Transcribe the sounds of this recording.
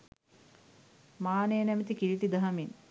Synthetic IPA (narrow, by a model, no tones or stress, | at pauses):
maːnejnæmet̪ikiɾiʈid̪aɦɐmin